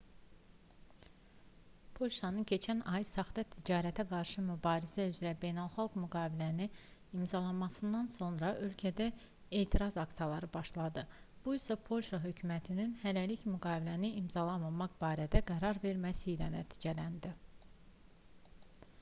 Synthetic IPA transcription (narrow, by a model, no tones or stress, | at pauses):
pʰo̞lʲʃɑnɯncʰe̞t͡ʃʰænɑjsɑχd̪ɑt̪ʰid͡ʒɑːɾæt̪ʰæɡɑɾʃɯmybɑːɾizæyzɾæbe̞jnælˠχɑlˠɡmyɡɑːvilæniimzɑlˠɑnmɑsɯnd̪ɑnso̞nɾɑʔø̞lcʰæd̪æ | e̞ːt̪ʰiɾɑzɑksijɑlˠɑɾɯbɑʃlˠɑd̪ɯ | b̥uisɑpʰo̞lʲʃɑɦø̞cʰymæt̪ʰininhælæliçmyɡɑːvilæniimzɑlˠɑmɑmɑχb̥ɑːɾæd̪æɡæɾɑɾve̞ɾmæsiːlænæ̰t̪ʰi̥ːd͡ʒælænd̪i